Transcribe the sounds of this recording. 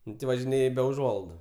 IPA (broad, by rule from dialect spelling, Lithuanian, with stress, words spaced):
ˈnʊ tʲɪ ʋɐʒʲɪˈnʲeːj bʲɛ ʊˈʒuɔlˠɐɪdʊ